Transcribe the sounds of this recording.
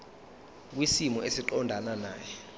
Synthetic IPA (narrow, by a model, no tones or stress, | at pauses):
k̬wisimɔʔesiǃɔndʱananaːjɛ